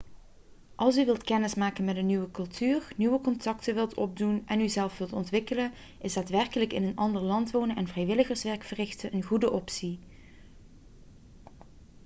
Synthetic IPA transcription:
ʔɑlˠsyʋɪlˠtkɛnɪsmaːkənmɛtdənyʋəkɵlˠtʰyːrnyʋəkɔntɑktəʋɪlˠtɔ̰b̚dunɛnyzɛlˠfʋɪlˠtɔntʋɪkələn | ɪsdaːtʋɛɹkələkɪnənʔɑndəɹlɑntʋownəɛnvrɛjʋɪləɣəɹsʋɛɹkfərɪxtəʔənɣudəʔɔpsi

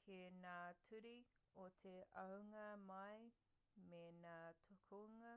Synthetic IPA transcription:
kʰenaːtʰʉɾi | ot̪ʰeʔɐwŋɐmɐj | menaːt̪ʰokʰoŋɐ

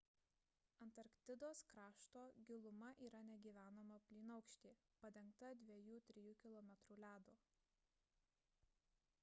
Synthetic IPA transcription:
ɐnt̪ɐɾkt̪ʲɪd̪oːskɾɑːʃt̪oːɡʲɪlˠʊmɐʔiːɾɐnʲɛɡʲiːʋʲæːnoːmɐpʲlʲiːnɐʊkʃʲt̪ʲiː | pɐd̪ʲɛŋkt̪ɐd̪ʲʋʲɛjuːt̪ʲɾʲɪjuːkʲɪlˠɔmʲɛt̪ɾuːlʲæːd̪oː

